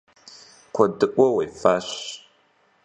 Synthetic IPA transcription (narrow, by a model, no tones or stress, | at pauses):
kʷʰɐdɨʔʷʼɔwejfaːɕ